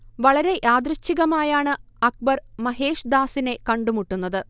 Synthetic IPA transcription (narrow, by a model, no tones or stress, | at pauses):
ʋɐɭɐɾe̞ʔaːd̪rɨɕːiɣɐmaːjaːɳɨ | ɐk̚bɐrmɐɦe̞ːʂd̪aːsine̞kɐɳɖumuʈːunːɐðɨ